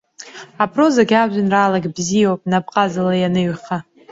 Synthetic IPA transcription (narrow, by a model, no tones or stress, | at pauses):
apʰro̞zaɡʲaʒʷᶣanraːlaɡʲbzijowpʼnapqʼazalajanɨɥχa